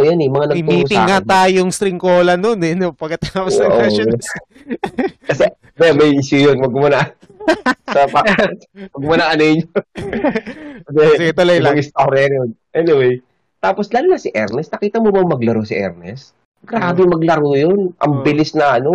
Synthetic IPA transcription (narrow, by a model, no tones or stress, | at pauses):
ojanɛmɐŋanɐɪmiːʊɪŋːat̪aːjoŋst̪ɾɪŋkoːlɐnonɛnopɐɡ̚kːɐt̪aːposʔoo | kɐsɛ | bɛmɐjiʃjujonmɐɡ̚mɐnaʔ | sɐpɐ | wɐɡmɐnaʔɐnɐjɲo | d̪ɛsɡɛt̪olojlɐɐŋist̪ahoɾɛɾonʔɛnɪwej | t̪aːposlaːluːnasɪʔɛɾnɛsnɐkiːt̪ɐmobɐŋmɐɡlɐɾosɪʔɛ̰ɾnɛ̰s | ɡ̥ɾaːbɪmɐɡlɐɾojonʔɐ̰ŋbɪlɪsnɐʔɐno